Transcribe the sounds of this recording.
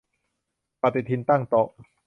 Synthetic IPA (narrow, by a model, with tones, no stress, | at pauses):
pa˨˩t̪i˨˩t̪ʰi˧nt̪a˥˩ŋt̪ɔ˨˩ʔ